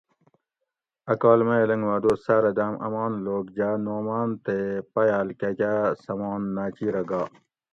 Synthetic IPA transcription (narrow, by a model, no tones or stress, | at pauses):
ɐkaːlmelɐŋɡʋaːd̪oːsaɾɐd̪aːmʔɐ̰mɑːnloːɡd͡ʑaːnoːmaːnt̪epɐjaːlkakʲasɐmɑːnːaːt͡ɕiːɾɐɡaː